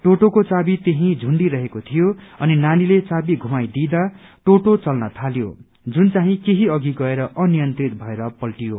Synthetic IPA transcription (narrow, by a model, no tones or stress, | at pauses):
ʈoʈokot͡sabit̪eɦĩd͡zʱuɳɖiɾʌɦekot̪ʰijoʌninanilet͡sabiɡʱumajd̪id̪a | ʈoʈot͡sʌlnʌt̪ʰaljo̰ | d͡zunt͡saɦĩkeɦiʌɡiɡʌeɾʌʌnijʌnt̪rit̪̚bʱʌeɾʌpʌlʈijo